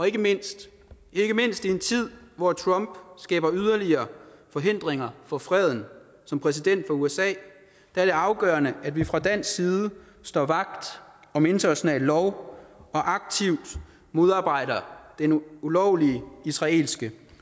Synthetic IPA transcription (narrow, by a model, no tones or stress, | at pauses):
ɒ̽e̝ɡ̥əme̝n̰sd̥ | e̝ɡ̥əme̝n̰sd̥ie̝nt͡sʰið̞̰ˠʋɒt͡sʰʁɔ̽mb̥sɡ̥ɛ̰ːb̥ɐyð̞ˠɐliɐːfɒ̽ɦe̝n̰d̥ʁeŋɐfɒ̽fʁɛð̞̰ˠn̩ | sɒ̽mpʰʁɛsid̥en̰d̥fɒ̽uesɛ̰ː | d̥ææɐɾ̥e̝ɑ̈ʊɡ̥ɶːɐnəæd̥ʋifʁɑ̈d̥æn̰sɡsiːð̞ˠə | sd̥ɒ̰ːʋɑ̈ɡ̥̚d̥ɒ̽me̝nt͡sʰɐnæɕonɛ̰ːlːɒʊɒ̽ʔɑ̈ɡ̥̚t͡sʰiʊd̥ | mo̝ð̞ˠɑ̈ːb̥ɑ̈ɪ̰ɾ̥ɐd̥enulɒʊliəisʁɑ̈e̝̰ːlsɡ̥ə